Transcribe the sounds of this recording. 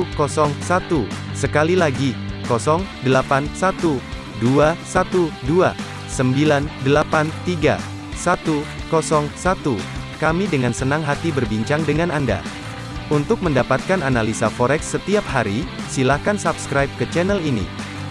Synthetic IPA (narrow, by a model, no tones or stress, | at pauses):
kɔsɔŋsat̪usəkalilaɡikɔsɔŋdəlapansat̪u | duasat̪udua̰ | səmbilandəlapant̪iɡa̰ | sat̪ukɔsɔŋsat̪u | kamidəŋansənaŋɦat̪ibərbiɲt͡ʃaŋdəŋananda̰ | unt̪ʊk̚məndapat̪̚kananalisafɔɾɛksːət̪iap̚haɾi | silahkansapskɾajp̚kət͡ʃɛnəlinḭ